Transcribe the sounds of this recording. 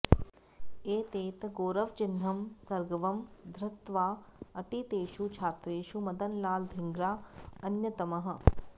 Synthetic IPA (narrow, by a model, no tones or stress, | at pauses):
eːt̪eːt̪ɡoːɾɐʋt͡ʃɪnɦɐmsɐɾɡɐʋɐmd̪ʱɾɪt̪ʋaːɐʈit̪eːʃut͡ʃʰaːt̪ɾeːʃumɐd̪ɐnlaːld̪ʱɪŋɡɾaːɐnjɐt̪ɐmɐɦɐ̆